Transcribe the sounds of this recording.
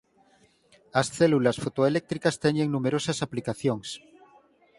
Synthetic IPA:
asθelulasfot̪oelek̚t̪ɾikast̪eɲeŋnũmeɾosasaplikaθjoŋs

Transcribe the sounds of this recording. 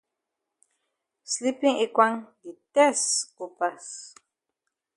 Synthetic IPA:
slipiikʷaŋit̪esupas

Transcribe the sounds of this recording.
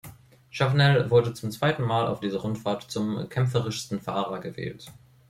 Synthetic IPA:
ʃaʁnɛlvʊɐdət͡sʊmt͡sv̥aɪtn̩maːla̰ʊfd̥iːzəʁʊntfaɐtt͡sʊmkʰɛmfəʁɪʃstn̩fa̰ːʁɐɡəvḛːlt

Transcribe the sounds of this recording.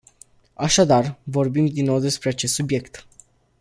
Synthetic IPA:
aʃad̪arvo̞rbimd̪inːo̞wd̪e̞spɾe̞at͡ʃest̪subje̞kt̪

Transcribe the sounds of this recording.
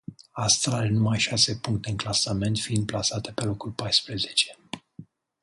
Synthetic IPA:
ast̪ɾalenumajʃase̞puŋk̚t̪e̞ɨnklasame̞nt̪fiind̪̚plasat̪e̞pe̞lo̞kulpajspɾe̞ze̞t͡ʃe̞

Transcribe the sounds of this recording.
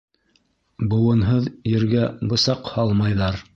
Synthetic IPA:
bŏwɤ̆nɦɤðjɘ̆ɾɡæbɤ̆sɑqhɑlˠmɑjðɑɾ

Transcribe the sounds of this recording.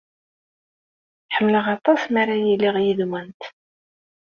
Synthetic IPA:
ħəmːələʁɑt̪ˤɑsmaɾajilːiʁjiðmənt̪

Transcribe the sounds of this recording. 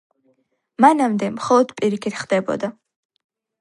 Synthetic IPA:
manamd̪ɛmχɔlˠɔd̪̥pʼiɾikʰit̪χd̪ɛbɔ̰d̪a

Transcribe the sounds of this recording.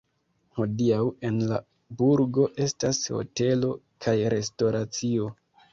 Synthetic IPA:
ho̞diawe̞nla̰ | buɾɡo̞ʔe̞stasho̞̰te̞lo̞ | kʰajɾe̞sto̞ɾat͡sio̞

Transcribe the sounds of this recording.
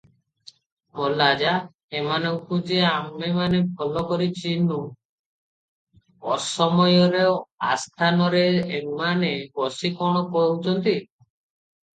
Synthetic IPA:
mɔlad͡ʒa | emanɔŋkud͡ʒeamemanebʱɔlɔkɔɾit͡ʃinu | ɔsɔmɔjɔɾea̰st̪ʰanɔɾeːmanebɔsikɔɽ̃ɔkɔut͡ʃʰɔnt̪i

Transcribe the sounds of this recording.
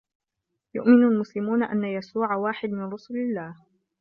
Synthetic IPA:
jʊ̰ʔmɪnalmʊslɪmuːnaʔa̰nːajasuːʕawaːħɪd̪mɪnɾʊsʊlalːaːh

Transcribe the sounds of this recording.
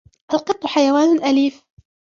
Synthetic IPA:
ʔalqɨt̪ˤːʊħajawaːnʔaliːf

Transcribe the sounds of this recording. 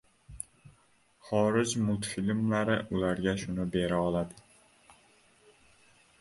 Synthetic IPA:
χɒɾɪd͡ʒmʊlˠt̪filmlaɾɪʔʊlaɾɡʲaʃʊnɪbe̞ɾaɒlˠad̪ɪ

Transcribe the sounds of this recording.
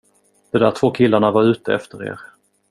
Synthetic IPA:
d̪̥ɛd̪æːʈʰv̥oːkʰɪlːaɳavaɾʉ̟ːt̪əɛ̰ft̪əɾḛːɾ

